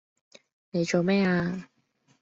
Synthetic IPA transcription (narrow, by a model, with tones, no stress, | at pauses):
ne˨˧jt͡ʃo˨wmɛː˥aː˧